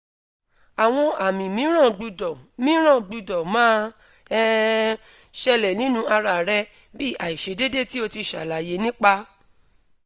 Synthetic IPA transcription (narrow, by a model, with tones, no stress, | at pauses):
a˨w̃ɔ̃˧a˨mĩ˨mĩ˨˦ɾ̃ã˦˨ɡ͡bu˧dɔ˨mĩ˨˦ɾ̃ã˦˨ɡ͡bu˧dɔ˨mãː˦ | ɛ˦ | ʃɛ˧lɛ˨nĩ˨˦nũ˧˦a˧ɾa˨ɾɛ˧ | bi˦˨ʔa˨i˨ʃe˨˧˦de˦de˦˨ti˦o˧ti˧ʃa̰˨la˨je˨˦nĩ˦k͡pa˧